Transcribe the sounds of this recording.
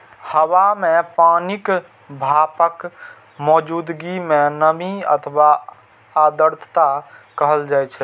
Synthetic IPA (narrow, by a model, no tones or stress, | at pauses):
həwamepanik | bʱapək | mɔd͡ʒud̪ɡimenəmiə̰t̪ʰwaː | d̪əɾt̪ʰt̪akəɦəld͡ʒajt͡ʃʰɛ